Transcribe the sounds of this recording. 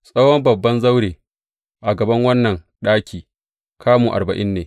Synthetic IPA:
sʼɐ˦wɔ˦mbɐ˨bːɐ˦nzɐ˦wɽeː˨ | ʔa˨ɡɐ˨bɐ˦ŋwɐ˦nːɐ˨ŋ | ɗaː˦kʲiː˨ | kʰaː˦muː˨ʔa̰˨rbɐ˨ʔɪ˦nːeː˨

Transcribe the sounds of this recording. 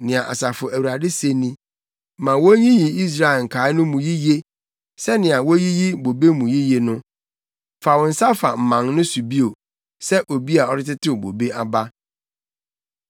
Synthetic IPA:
nɪ̃˨ã˨ʔa̰˨sa˨fʊ˨æ˨wu˨ɾa˨dɪ˦se˦nĩ˦ | mã˨wo˦ɲĩ˦ji˨i˦s̬ɾa˦˨ɛ˨ŋ̩˨kʰa˨˦nʊ̃˦mũ˨ji˦je˦ | sɛ˦nɪ̃˨a˨wo˦ji˦ji˦bo˨be˦mũ˨ji˦je˨nʊ̃˦ | fa˨wɔ˨n̩˨˦sa˦fa˨m̩˨mã˨ŋnʊ̃˦su˨bi˦o˨ | sɛ˦ʔo˨bi˦a˨ɔ˦ɾɪ˦tɪ˦tʰɪ˦o˨bo̰˨be˦ʔa˨ba˦

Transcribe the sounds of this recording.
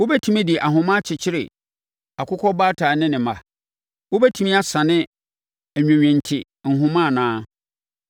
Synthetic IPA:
wo˦bɛ˦tʰĩ˦mĩ˦dɪ˨ʔa˨ɦʊ̃˨mã˦t͡ɕʰɪ˨t͡ɕʰɪ˦ɾɪ̰˨ | a˨kʰʊ˦kʰɔ˦ba˦tʰaː˨nɪ̃˦nɪ̃˨ma˨ | wo˦bɛ˦tʰĩ˦mĩ˦a˦sã˨nɪ̃˦ | æ˨ɲᶣæ̃˨ɲᶣɛ̃˨n˨tʰɪ˨ | ŋ̩˨ɦʊ̃˦mã˦˨nãː˦

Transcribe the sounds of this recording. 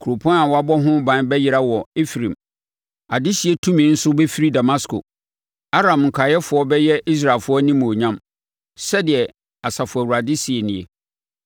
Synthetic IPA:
kʰɾo˨pʰɔ̃˦na˨wɔ˨˦a˦bɔ˦ɦʊ̃˦bã˨˦nbɛ˦jɪ˦ɾa˦wɔ˨e˦fɾĩ˨m | a˨dɪ˦si˨e˦tʰũ˦mĩ˨˦n̩˦sʊ˦be˦fi˦ɾi˦da˨mã˦skʰo̰˨ | a˦ɾã˨mŋ̩˨kʷʰa˨jɛ˦fʊ˨˦ɔ˦bɛ˦jɛ˦i˦s̬ɾa˨lfʊ˦ɔ˦nĩ˦mũ˨o˨ɲã˦m | sɛ˦dɪ˨ɛ˨ | a˨sa˨fʊ˨ɛ˨wu˨ɾa˨dɪ˦si˨e˨nɪ̃˨e˦

